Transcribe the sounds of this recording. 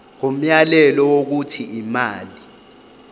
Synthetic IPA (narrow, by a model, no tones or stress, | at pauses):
ŋom̩jalɛlɔwok̬utʰiʔimaːli